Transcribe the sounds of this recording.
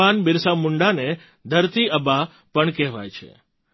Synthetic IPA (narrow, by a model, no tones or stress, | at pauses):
anbɪɾsamʊɳɖane | d̪ʱəɾt̪iəba | pəɳkɛɦʋa̰jt͡ʃʰḛ